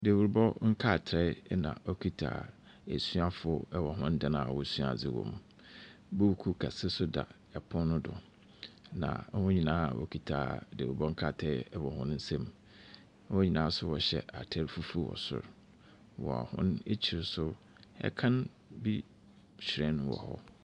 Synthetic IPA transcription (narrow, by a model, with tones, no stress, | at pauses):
de˨wu˨ɾbɔ˦ŋ̩˦kʰa˦˨tʰɾɛ˦nã̰˨ɔ˦kʰi˦tʰa̰˨ | æ˨su˦a˦fʊ˦ɛ˦wɔ˨ɦʊ̃˦ndã˨nãː˨wɔ˦˨su˦a̰˨d͡zɪ˨wɔ̰̃˨m | bo˦wu˨kʰu˦kʰa˨sɪ˦sʊ˦da̰˨ | ɛ˨pʰʊ̃˦nʊ̃˦dʊ̰˨ | nã̰˨˦hʊ̃˦ɲĩ˨nãː˦˨wʔɔ̰˨kʰi˨tʰa̰˨de˨u˨bɔ̃˦ŋ˦kʰaː˦˨tʰɾɛ˦ɛ˦wɔ˨hʊ̃˦n˦n̩˦sɛ̃˦m̩˦ | hʊ̃˦ɲĩ˨nãː˨˦sʊ˦wɔ˨ɕɛ˨ʔa˨tʰɛ˦ɾfu˦fu˦˨wɔ̰˨sʊ̰˨ɾ | wɔ̰˨a̰˨hʊ̰̃˦ne˦t͡ɕʰi˨ɾsʊ˦ | ɛ̰˦kʰã˦n | bi˦ | ɕɾɛ̃˦ñ˦wɔ̰˨hɔ̰˦